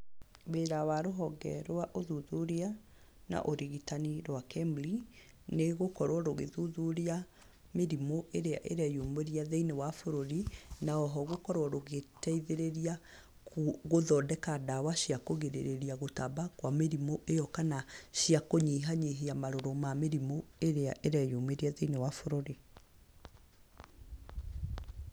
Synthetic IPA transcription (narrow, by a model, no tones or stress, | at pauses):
beɾawaɾoɦɔɡɛ̰ɾwaʔoðuðuɾea | na̰ʔoɾiɣitaniɾwakɛmbli | neɣokɔɾwɔɾoɣeðuðuɾia | meɾimoʔeɾeaʔeɾɛjuːmbeɾiaðeinewafoɾoɾinaɔɦɔɣokɔɾwɔɾoɣetɛiðeɾeɾia | ɣoðɔdɛkadawaʃiakoɣeɾḛɾeɾiaɣotabakwameɾimoʔejɔkanaʃiakoɲiɦaɲeɦeamaɾoɾomameɾimoeɾea̰ʔeɾɛjomeɾiaðeinewafoɾoɾi